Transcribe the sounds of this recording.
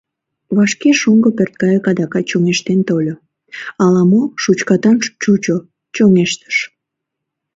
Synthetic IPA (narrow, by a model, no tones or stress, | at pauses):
βɑʃkeʃuŋɡopert̪̚kɑjəkɑd̪ɑkɑt͡ɕoŋeʃt̪ent̪olʲo | ɑlɑmoʃut͡ɕkɑt̪ɑnt͡ʃut͡ɕo | t͡ɕoŋeʃt̪ə̥ʃ